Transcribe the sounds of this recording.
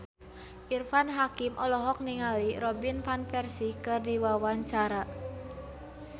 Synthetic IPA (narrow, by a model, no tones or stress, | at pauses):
ʔirfanɦakimʔɔlɔɦɔk̚niŋaliɾɔbinpanpɛrsikɨrdiwawaɲt͡ʃaɾa